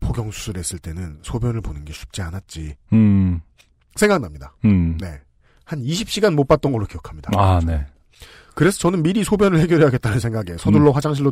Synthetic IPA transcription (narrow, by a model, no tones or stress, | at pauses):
poɡjʌŋsʰu̥sʰɯɾe̞s͈ɯɭt͈e̞nɯnsʰobjʌnɯɭponɯnɡe̞ɕʰu̥p̚t͡ɕ͈ianat̚t͡ɕ͈i | sʰe̞ŋɡaknamɲidane̞ | haniɕʰip̚ɕ͈iɡanmot̚p͈at̚t͈ʌnɡʌɭːokijʌkʰamɲid̥aane | kɯɾe̞sʰʌt͡ɕʌnɯnmiɾisʰobjʌnɯɭhe̞ɡjʌɾiɦaɡet͈anɯnsʰe̞ŋɡaɡe̞sʰʌduɭːoɸwad͡ʑaŋɕʰiɭːo